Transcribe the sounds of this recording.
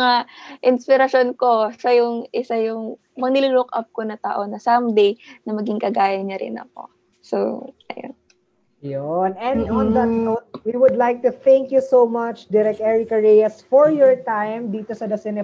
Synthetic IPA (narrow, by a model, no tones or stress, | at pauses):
ŋaʔɪnspɪɾɐʃo̞nko̞sɐjʊŋʔɪsajʊŋ | mɐŋnɪlulokʔɐp̚konɐt̪a̰ʔo̞nɐsɐmd̪ejnɐmɐɡiŋkɐɡaːjɐɲɐɾɪ̰nɐ̰ko̞̰ | sowʔɐ̰jo̰n | jonɛ̃nɔ̃nd̪ɐt̪owiwʊd̪lajk̚t̪uθɛ̃ŋkjusomɐt͡ʃd̪ɛɾɛkɛɹɪkɐɹɛjɐsfɔɹjɔɹt̪ãjmd̪iːt̪osɐd̪ɐsɛnɛ